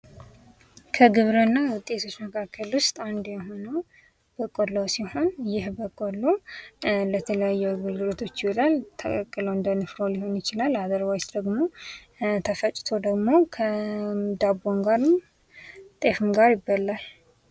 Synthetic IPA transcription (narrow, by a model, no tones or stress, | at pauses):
kʰəɡɨβɾənːawʊt̪ʼːe̞t̪ʰo̞t͡ʃːməkʰakʰːəlwʊst̪ʼand̪jɛɦo̞nəw | b̥əkʼːolowsiho̞njɪhbəkʼːolːo | lət̪ʰələjajːɛaɡəlɡɨlot̪ʰo̞t͡ʃːɪwɔlalt̪ʰəkʼəkʼːɨləwɨnd̪ənɨfɾoliho̞njɪt͡ʃɪlalad̪əɾβawt͡ʃd̪əɡmo̞ | t̪ʰəfət͡ʃʼt̪ʰo̞d̪əɡmo̞kʰəd̪abo̞ŋɡaɾm | t̪ʼe̞fɨmɡaɾjɪbːalːal